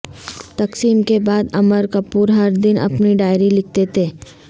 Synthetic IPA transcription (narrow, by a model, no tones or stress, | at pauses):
t̪ɐksiːmkebaːd̪ɐməɾkɐpuːɾɦɐɾd̪ɪnɐ̰pniɖaːɪɾilɪk̚ʰt̪et̪ʰeː